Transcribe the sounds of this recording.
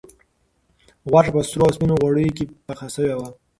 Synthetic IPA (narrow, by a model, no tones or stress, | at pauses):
ɣwaʈapəst̪uɾoaspinoɣwaɽəjokepaxasəwewa